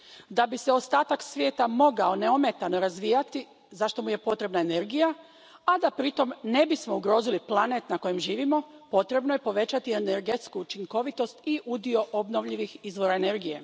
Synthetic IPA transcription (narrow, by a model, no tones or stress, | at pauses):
d̪abise̞ost̪aːt̪aksʋʲje̞ːt̪amo̞ɡao̞ne̞ome̞t̪ano̞ɾazʋijat̪i | zaʃt̪o̞muje̞po̞t̪ɾe̞bnaene̞ɾɡija | ad̪apɾit̪o̞mne̞bismouɡɾo̞ːziliplˠane̞t̪nako̞jemʒiːʋimo̞po̞t̪ɾe̞bnoje̞po̞ʋe̞t͡ɕat̪ieneɾɡe̞t̪skuut͡ʃiŋko̞ʋit̪o̞st̪iʔud̪io̞ʔobno̞ʋʎiʋixizʋo̞ɾaene̞ɾɡije̞̰